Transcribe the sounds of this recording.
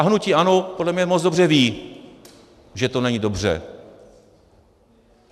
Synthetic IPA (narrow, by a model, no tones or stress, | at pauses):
aɦnuciːʔanopodlɛmɲɛmot͡sdobr̝ɛviː | ʒɛt̪onɛɲiːdo̞br̝ɛ̰